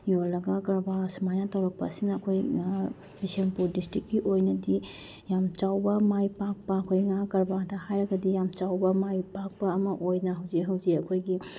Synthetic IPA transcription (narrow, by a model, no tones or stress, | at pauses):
jolɐɡakɐɾbasmajnatʰɐwɾɐk̚pɐ̰siŋnɐɐkʰoj | pisempuɾdistɾikːiʔojnɐdi | jamt͡ʃawbɐmajpak̚pɐɐkʰojŋakɐɾbatʰɐhajɾɐɡɐdijamt͡ʃawbɐmajpak̚pɐːmɐʔojnɐɦɐwzeɦɐwziɐkʰojɡi